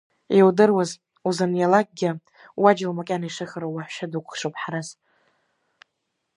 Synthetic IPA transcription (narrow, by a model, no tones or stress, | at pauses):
ewdɨrwaz | uzanjalak̚ʼɡʲɪ | wad͡ʒɪlmakʲʼaniʂɨχaɾowaħʷʃadukʷχʂopʰʼħaɾaz